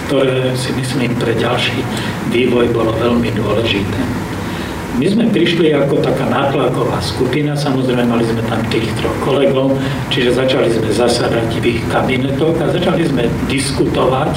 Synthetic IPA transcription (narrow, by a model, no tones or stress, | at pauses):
kt̪ɔɾɛːsimisliːmpɾɛɟalʃiː | ʋiːʋɔjbɔlɔʋɛlmid̪ʊɔlɛʒit̪ɛː | mizmɛpɾiʃliakɔt̪akaːnaːt̪lakɔʋa̰ːskupinasamɔzɾɛɪmɛmalizmɛt̪amt̪iːxt̪ɾɔxkɔlɛɡɔʊ | t͡ʃiʒɛzat͡ʃalizmɛzasad̪aɟʋixkabinɛt̪ɔɣazat͡ʃalizmɛ | d̪iskut̪ɔʋac